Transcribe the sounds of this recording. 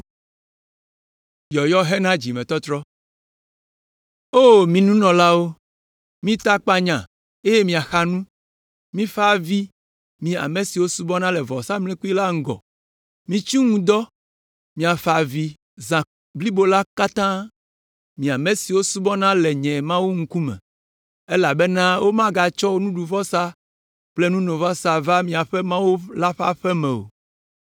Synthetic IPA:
jɔ˨jɔ˦ɦɛ˦nã˦d͡ʒi˨mɛ̃˨t̪ɔ˦t̪ɾɔ˦ | o˦mĩ˨nũ˦nɔ̃˨la˦wo˦ | mĩ˦t̪a˦k͡pa˦ɲã˨ | e˦je˦mĩ˨a˨xa˨nũ˦ | mĩ˦fa˨vi˦ | mĩ˨a̰˨me˨si˨wo˦su˦bɔ˦nã˦lɛ˨vɔ˨sa˦mlẽ˦ku˦i˦la˦ŋ̩˦ɡɔ̰˨ | mĩ˨t͡ʃi˦ŋũ˦d̪ɔ˦ | mĩ˨a˨fa˨vi˨ | zã˨ | bli˦bo˨la˦ka˦t̪ã˦ | mĩ˨a˨me˨si˨wo˦su˦bɔ˦nã˦lɛ˨ɲɛ̃˨mã˦wu˦ŋ̩˦ku˦mɛ̰̃˨ | e˦la˨be˦nã˦wo˦mã˦ɡa˨t͡ʃɔ˦wo˦nũ˦ɖu˨vɔ˦sa˦ | k͡plɛ˦nũ˦nõ˨vɔ˦sa˨va˦mĩ˦a˨ɸɛ˦mã˦wu˦la˦ɸa̰˦ɸɛ˦mɛ̃˨o̰˨

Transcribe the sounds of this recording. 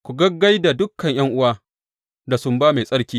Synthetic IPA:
kʷu˨ɡɐ˦ɡːa˦jda˨dʊ˦kːɐ˨ɲj̰ɐ˦ŋʔʊ˦waː˦ | da˨sʊ˦mbaː˦me˨sʼɐ˦ɽkʲiː˦

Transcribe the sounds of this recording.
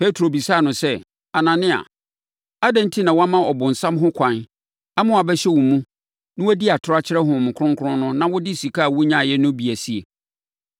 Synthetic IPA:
pʰe˦tʰɾo˨bi˨sa˦˨nʊ̃˨sɛ˦ | a˨nã˨nɪ̃˦a̰˨ | a˦dɛ̃˦n˦tʰi˦nã˨wa˦mã˦ɔ˨bʊ̃˨n̩˨sã˦mɦʊ̃˦kʷʰã˨n | a˦mʊ̃˦˨a˨bɛ˦ɕɛ˦wʊ̃˨mũ˦ | nʊ̃˦wæ˦di˦a˨tʰʊ˦ɾa˦t͡ɕʰɪ˦ɾɛ˦ɦʊ̃˨mʊ̃˨kʰʊ˦ʊ̃˦ŋ˦kʰʊ˦ɾʊ̃˦nʊ̃˦nã˦wʊ˦dɪ˦˨si˨kʰaː˦˨wʊ˦ɲã˦˨jɛ˦nʊ̃˦bi˨æ˨si˦e˨

